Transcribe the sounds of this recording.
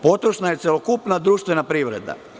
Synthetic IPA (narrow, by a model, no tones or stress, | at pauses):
po̞t̪ɾoʃnaje̞t̪sjelokupnad̪ɾuːʃt̪ʋenapɾiʋɾḛd̪a̰